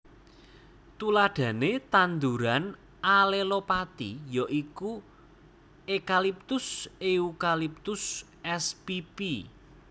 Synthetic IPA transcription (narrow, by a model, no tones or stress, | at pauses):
t̪ulaɖ̥ä̤net̪and̪uɾan | alelopat̪ijɔʔiku | ekalip̚t̪ʊseukalip̚t̪ʊs | ɛspipi